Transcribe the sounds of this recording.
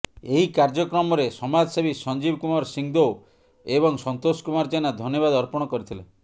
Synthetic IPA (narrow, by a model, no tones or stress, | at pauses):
eɦikaɾd͡ʒɔkɾɔmɔɾesɔmad͡ʒsebisɔnd͡ʒibkumaɾsiŋd̪o | eβɔŋsɔnt̪oskumaɾd͡ʒanad̪ʱɔnjɔβad̪ɔɾpɔɽ̃ɔkɔɾit̪ʰile